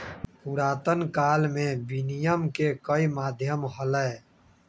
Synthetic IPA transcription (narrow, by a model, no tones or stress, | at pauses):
puɾaːt̪ənkaːlmẽbinijəmkekəimaːd̪ʱjəmɦələ